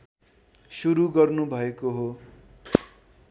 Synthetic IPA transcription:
suɾuɡʌrnubʱʌekoɦo

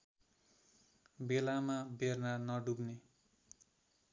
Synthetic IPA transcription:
belamabernanʌɖubne

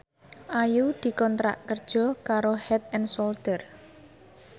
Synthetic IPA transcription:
ʔajud̪̥i̤kɔnt̪ɾa̰ʔkərd̥ʒ̥ɔ̤kaɾohɛt̪ɛnsolt̪ər

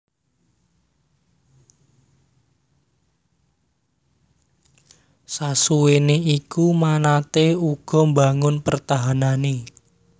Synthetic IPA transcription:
sasuweneikumanat̪euɡ̥ɔ̤mbaŋʊnpərt̪aɦanane

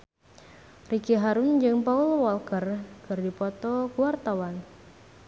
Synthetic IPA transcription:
rikiɦaɾund͡ʒɨŋpaulwɔlkərkɨrdipɔt̪ɔkuwart̪awan

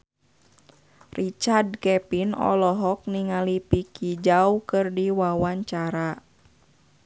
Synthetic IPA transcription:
rit͡ʃard̚kɛpinɔ̰lɔɦɔk̚niŋalipikʰid͡ʒaukɨrdiwawaɲt͡ʃaɾa

